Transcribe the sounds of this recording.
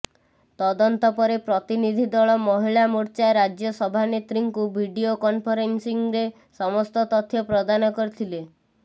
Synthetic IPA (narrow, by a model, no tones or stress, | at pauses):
t̪ɔd̪ɔnt̪ɔpɔɾepɾɔt̪inid̪ʱid̪ɔɭɔmɔɦiɭamuɾt͡ʃaɾad͡ʒjɔsɔbʱanet̪ɾiŋkubʱiɖiokɔnpʰɔɾensiŋɾe | sɔmɔst̪ɔt̪ɔt̪ʰjɔpɾɔd̪anɔkɔɾit̪ʰile